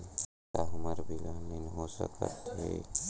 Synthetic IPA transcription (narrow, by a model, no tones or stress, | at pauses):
t̪aɦʊməɾbʱilaminɦoːsə̰kə̰t̪ɦḛ